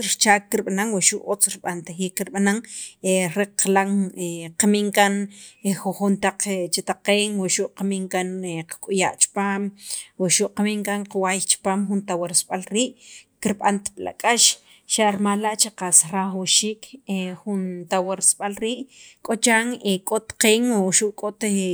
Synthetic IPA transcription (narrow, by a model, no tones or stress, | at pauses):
ɾt͡ʃaːkːiɾɓanaŋwaʃuʔot͡sɾiɓant̪axiːkːiɾɓanaŋeɾeqlaŋeqamiŋkanxoχunt̪aq͡χt͡ʃit̪aqeːŋwaʔʃuʔqamiŋkaneqḁkʼuja̰ʔt͡ʃi̥paːmwiʔʃuʔqamiːŋkaŋqawajt͡ʃi̥paːmxunt̪aweɾsɓalɾiːʔkiɾɓa̰nt̪pila̰kʼaʃ | ʃaʔɾmalːaʔt͡ʃeqasɾaxwʃiːkʰexunt̪aweɾsɓalɾiːʔkʼot͡ʃaːŋekʼot̪qeːŋwoʃuʔkʼot̪